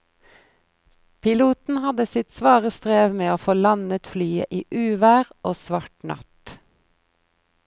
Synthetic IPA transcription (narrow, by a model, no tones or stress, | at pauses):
pʰɪluːt̪n̩hɑd̪əsɪt̪sʋɑːʁəst̪ʁeːʋmeːoːfoːlɑnət̪flyːə̰ʔiːʔʉːʋæːʁʔoːsʋɑʈnɑ̰t̪